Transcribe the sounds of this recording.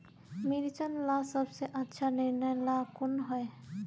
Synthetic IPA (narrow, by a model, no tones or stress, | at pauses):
miɾit͡ʃənlasəbseʔətːʃʰanɪɾnəjlakʊnɦɔe